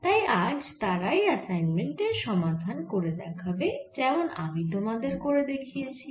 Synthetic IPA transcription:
t̪ajad͡ʑt̪aɾajɛsajnmeɳʈeʃɔmad̪ʱankoɾed̪ɛkʰabed͡ʑɛmona̰mid̪ʱomad̪eɾkoɾed̪ekʰijet͡ɕʰi

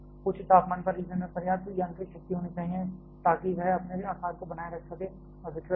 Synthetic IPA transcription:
kʊt͡ʃʰt̪aːpmaːnpɐɾːiːzənmẽpɐɾjaːd̪ojɐ̃ŋkiʃɐk̚t̪iɦoːnit͡ʃaːɦiẽ | t̪aːkiʋɛɦɐpneaːkaːd̪̚kobɐnaːjeɾɐkʰsɐkẽː | ɔɾbɪkʰə

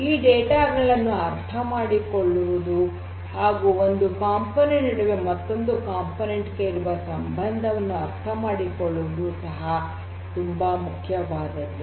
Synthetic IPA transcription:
iːɖeːʈaːɡɐɭɐnːuɐɾt̪ʰɐmaːɽikoɭːuʋud̪u | haːɡuːond̪ukaːmponeɳniɽuʋe̞mɐt̪ːo̞nd̪ukaːmponeɳʈke̞iɾuʋɐsɐmbʱɐnd̪ʱɐʋɐnːuɐɾt̪ʰɐmaːɽikoɭːuʋud̪usɐɦɐ | t̪umbɐmukʰjɐʋaːd̪ɐlːu

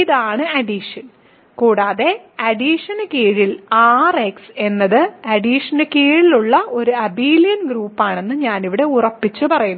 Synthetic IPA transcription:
iðaːɳɨɐɖiʂɐn | kuːɽaːðe̞ɐɖiːʂɐnɨkiːɻilaːrekse̞nːɐðɨɐɖiːʂɐnɨkiːɻiluɭːɐʔo̞ɾuɐbiːlijɐnɡɾuːpːaːɳe̞nːɨɲaːniʋiɽe̞urɐpːit͡ɕːɨpɐrɐjunː

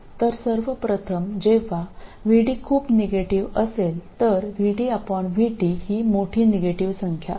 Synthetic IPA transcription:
t̪əɾsəɾʋəpɾət̪ʰəmd͡ʑeʋ̤aʋiɽiːkʰuːpneɡeʈiʋəselt̪əɾʋiɽiːapəɳʋiɽihiːmoʈʰiːneɡeʈiʋsəŋkʰja̰

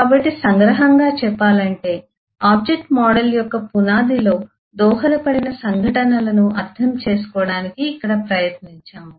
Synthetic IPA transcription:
kaːbɐʈːisɐŋɡɾɐɦɐŋɡaːt͡ʃɛpːaːlɐɳʈe̞ː | aːb̚d͡ʒek̚ʈmaːɽɐljɔkːɐpunaːd̪ilo̞ː | d̪ɔːɦɐlɐpɐɽinɐsɐŋɡʱɐʈɐnɐlɐnuʔɐt̪ʰːɐmt͡ʃe̞ːsu̥kɔːɽaːnikiːkːɐɽɐpɾɐjɐt̪niɲt͡ʃaːmu

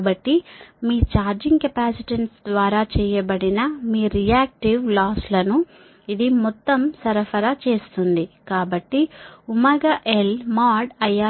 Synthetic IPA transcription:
bɐʈːimiːt͡ʃaːɾd͡ʒiŋɡkɐpaːsiʈɐnsd̪ʋaːɾaːt͡ʃɛːjɐbɐɽinɐmiːɾijaːk̚ʈiʋlaːslɐnu | id̪imɔt̪ːɐmsɐɾɐfʰɐɾat͡ʃe̞ːst̪und̪ikaːbɐʈːiumɐɡɐʔelmaːɖɐjːaː

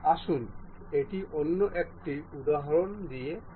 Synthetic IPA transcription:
aʃun | eʈiʔonːoʔɛk̚ʈiud̪aɦɔɹond̪ije

